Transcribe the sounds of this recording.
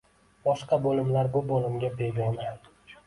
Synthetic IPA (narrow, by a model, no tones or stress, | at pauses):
bɒʃqɑbolɪmlaɾbʊbolɪmɡʲabeɡɒna